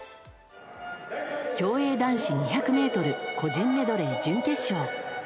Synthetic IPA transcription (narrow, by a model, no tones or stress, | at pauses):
kʲo̞ːe̞ːd̪ãɰ̃ɕiɲ̟içakɯ̟me̞ːt̪o̞ɾɯ̟ko̞d͡ʑĩmːe̞d̪o̞ɾeid͡ʑɨ̃ŋke̞ɕoː